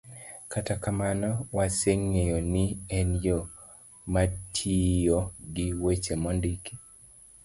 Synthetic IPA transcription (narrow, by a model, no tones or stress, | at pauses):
katakamanɔwaseŋːejoniɛnjo | matʰijoɡiwet͡ʃemɔndiki